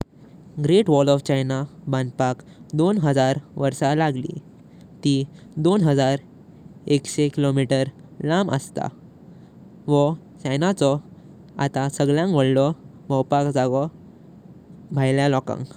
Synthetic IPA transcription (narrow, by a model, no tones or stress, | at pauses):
ɡɾeʈʋɔlɔft͡ɕajnaband̪pak | d̪onɦəd͡zaɾʋəɾsalaɡlḭ | t̪id̪onɦəd͡zaɾ | ekɕekilomiʈəɾ | lamə̰st̪a̰ | ʋɔt͡ɕajnat͡sɔ | a̰t̪asəɡɭjãŋkʋəɽlɔ | məwpakd͡zaɡɔ | bʱajljalɔkã̰ŋk